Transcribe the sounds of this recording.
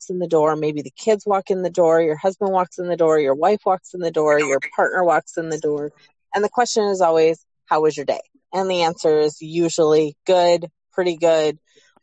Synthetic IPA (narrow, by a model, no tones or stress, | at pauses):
ksnðɨdɔɹmeɪbiðɨkʰɪdzwɔkɪ̃ŋðɨdɔɹjə˞hʌzbə̃nd̚wɑksɨ̃nðɨdɔɹjə˞waɪfwɑksn̩ðɨdɔɹjə˞pʰɑɹtⁿnʔə˞wɑksɨ̃nðɨdɔɹ | ɨ̃nðɨkʰw̥ɛst͡ʃɨ̃nəzɔlˠwiz̥ | haʊɨzjə˞dḛɪ | ɨ̃nðiæ̃nsə˞ɪzjʉʒl̩ˠiɡ̥ʊd̥̚pʰɹ̥ɪɾiɡʊd̥̚